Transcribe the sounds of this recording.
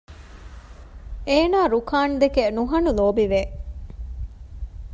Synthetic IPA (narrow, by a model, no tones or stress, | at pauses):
eːnaːɾukaːnd̪ekenuɦɐnuloːbiʋe